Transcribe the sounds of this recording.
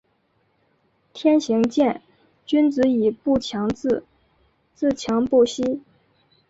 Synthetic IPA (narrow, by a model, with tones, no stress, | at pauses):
t̪ʰjɛ˥nɕi˧˥ŋt͡ɕjɛ˥˩n | t͡ɕy˥nt͡sɹ̩˧˥i˨˩pu˥˩t͡ɕʰjɑ˧˥ŋt͡sɹ̩˥˧ | t͡sɹ̩˥˩t͡ɕʰjɑ˧˥ŋpu˥˩ɕi˥